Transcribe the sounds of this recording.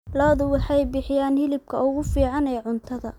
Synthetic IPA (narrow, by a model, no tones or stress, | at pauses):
lɐːðʊwɑħɑjbɪħɪjaːnhɪlɪb̚kʰɐʊɣʊfiːʕɑnɛːʕʊnt̪ʰɐðɐ